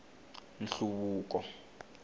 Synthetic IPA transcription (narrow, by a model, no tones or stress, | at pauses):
nɬuβuːk̬ɔ